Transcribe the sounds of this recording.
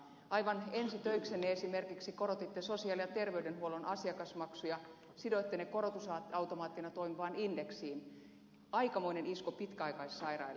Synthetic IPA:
ʔɑiʋɑnensit̪øiksenːeesimerkiksikoɾot̪it̪ːesosiɑːljɑt̪erʋeydenhuolonʔɑsiɑkɑsmɑksujɑ | sidoit̪ːenekoɾot̪usɑɑwt̪omɑːt̪ːinɑt̪oimiʋɑːnindeksiːn | ɑikɑmoineniskopit̪kæɑikɑissɑirɑ̰il

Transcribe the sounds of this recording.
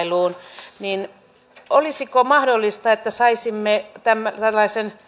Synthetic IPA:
luːnnin | olisikomɑhdolːist̪ɑet̪ːæsɑisimːet̪æmːæt̪ælːɑisen

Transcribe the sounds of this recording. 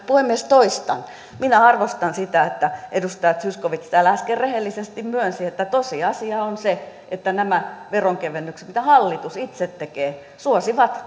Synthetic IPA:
puemiest̪oist̪ɑn | minæɑrʋost̪ɑnsit̪æet̪ːæʔedust̪ɑjɑt̪syskoʋit̪si̥t̪ælæskerrehelːisest̪immyønsiet̪ːæt̪osiɑsiɑonseʔet̪ːænæmæʋeroŋkeʋenːyksmit̪æhɑlːit̪usit̪set̪ːekeː | suosiʋɑt̪

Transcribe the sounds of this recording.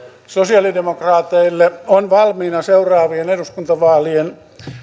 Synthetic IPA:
sosiɑlidemokrɑːt̪eilːeonʋɑlmiːnɑseurɑːʋieneduskunt̪ɑʋɑːlien

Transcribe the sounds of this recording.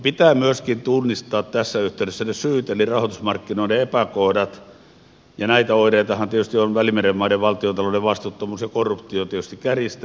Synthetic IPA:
pit̪æːmyøskint̪unːist̪ɑːt̪t̪æsːæyht̪eyɾesːænesyːt̪elirɑhot̪usmɑrkːinoˑileepækohdɑt̪ | jɑnæit̪æoiɾeit̪ɑhɑnt̪iet̪yst̪ionʋælimeremmɑieʋʋɑlt̪iot̪ɑlodeʋɑst̪ut̪ːomuːsjɑkorːupt̪iot̪iet̪yst̪ikkærist̪æ

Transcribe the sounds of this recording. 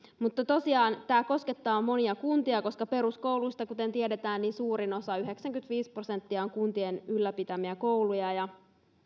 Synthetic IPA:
mut̪ːɑt̪o̞siɑːnt̪æːko̞sket̪ːɑːmːo̞niɑkunt̪iɑko̞skɑpe̞ɾusko̞wluist̪ɑkut̪e̞nt̪iedet̪æːnniːnsuːɾino̞sɑyɦe̞ksæŋkyt̪ʋiːspro̞se̞nt̪ːiɑoŋkunt̪ienylːæpit̪æmiæko̞wlujɑjɑ

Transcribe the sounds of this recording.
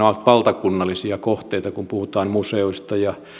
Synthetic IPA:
oɑlt̪ʋɑlt̪ɑkunːɑlːˑisiɑkoht̪eit̪ɑkumpuhut̪ɑːmmuseuist̪ɑjɑ

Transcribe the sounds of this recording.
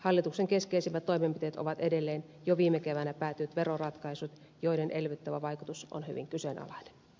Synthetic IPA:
hɑlːit̪ukseŋkeskeisiʋːˑæt̪t̪ːoimempit̪eːt̪o̰ʋɑt̪edelːeːnjoʋiːmekeʋænæpæːt̪yt̪ʋerorɑt̪kɑisut̪ | joidenʔelʋit̪ːæʋæʋɑikut̪uso̰nhy̰ʋḭŋkysenʔɑ̰lɑine̥n

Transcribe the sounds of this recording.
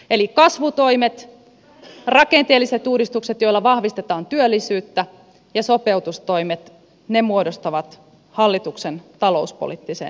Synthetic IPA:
e̞likɑsʋut̪o̞imet̪ | rɑke̞nt̪eːlːiset̪uːdist̪ukset̪jo̞ilːɑʋɑhʋist̪et̪ɑːnt̪yølːisyːt̪ːæ | jɑso̞peut̪ust̪o̞jmet̪ | nemuodost̪ɑʋɑt̪ | hɑlːit̪uksent̪ɑlo̞̰uspo̰lit̪ːisḛːn

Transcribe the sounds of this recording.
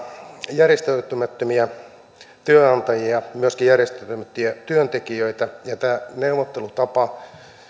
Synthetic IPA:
jærjest̪øyt̪ymæt̪ːømiæ | t̪yøɑnt̪ɑjiɑmyøskijærjest̪æt̪ːymæt̪ːyæt̪yønt̪ekiøit̪æjɑt̪æːneuʋot̪ːelut̪ɑpɑ

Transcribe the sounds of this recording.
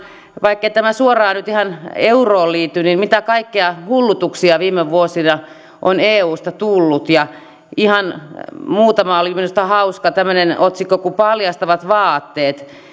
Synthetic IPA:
ʋɑikːeit̪æmæsuorɑːnyt̪ihɑneuroːlliːt̪ːynimmit̪ækɑikːeɑhulːut̪uksiɑʋiːmeʋʋuosinɑ | ʔoneːuːst̪ɑt̪ulːut̪jɑ | ihɑnmuːt̪ɑmɑolimːenust̪ɑhɑuskɑt̪æmːønenot̪sikːokupɑljɑst̪ɑʋɑt̪ʋɑːt̪ːeːt̪

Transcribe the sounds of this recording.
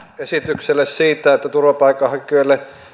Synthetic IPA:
esit̪ykselːessiːt̪æet̪ːæt̪urʋɑpɑikːˑɑhɑkˑøelːe

